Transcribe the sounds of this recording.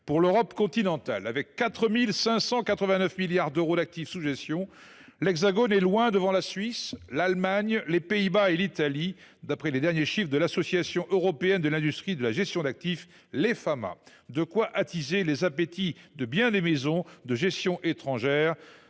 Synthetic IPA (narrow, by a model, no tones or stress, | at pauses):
puʁløʁɔpkɔ̃t̪inɑ̃t̪a̰lavɛkːat̪χəmilsɛ̃sɑ̃kat̪χəvɛ̃nœfmiljaʁd̪øʁod̪ak̚t̪ifsuʒɛst̪jɔ̃ | lɛɡzaɡɔnɛlwɛ̃d̪əvɑ̃lasɥislalmaɲlepeibaelit̪ali | d̪apχɛled̪ɛʁnjeʃifχd̪əlasɔsjasjɔ̃ʔøʁɔpeɛnd̪əlɛ̃d̪yst̪χid̪əlaʒɛst̪jɔ̃d̪ak̚t̪if | lefama̰ | d̪əkwaʔat̪izelezapet̪id̪əbjɛ̃d̪emezɔ̃d̪əʒɛst̪jɔ̃ʔet̪χɑ̃ʒɛːʁ